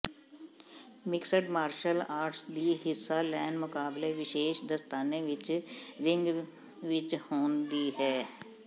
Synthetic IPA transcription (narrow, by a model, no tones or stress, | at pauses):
mɪksəʈmaːɾʃəlaːɾʈsd̪iːɦɪsːalɛːnmʊkaːbleʋɪʃeːʃd̪əst̪aːneʋɪt͡ʃɾɪ̃ŋɡ | ʋɪt͡ʃhoːnd̪iɦɛː